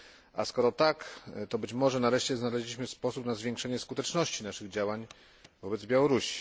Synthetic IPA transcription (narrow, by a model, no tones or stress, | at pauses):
ʔa̰skɔɾɔt̪akt̪ɔbɘt͡ɕmɔʐɛnaɾɛʂt͡ɕɛznalɛʑlʲiɕmɘspɔsupnazvʲjɛ̃ŋkʂɛɲɛskut̪ɛt͡ʂnɔɕt͡ɕinaʂɘɣd͡ʑawaɲ | vɔbɛd̪zbʲjawɔɾuɕi̥